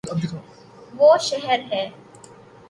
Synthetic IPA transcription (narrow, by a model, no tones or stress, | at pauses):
ɐb̚d̪ekʰo | ʋoːʃɛɦɛɾɦɛː